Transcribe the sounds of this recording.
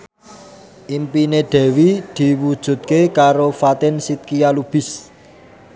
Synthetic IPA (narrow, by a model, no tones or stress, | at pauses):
ʔimpineɖ̪̥ɛ̤wid̪̥i̤wud̥ʒ̥ṳt̪̚kekaɾofat̪ɛnsit̪̚kijalub̥ɪ̤s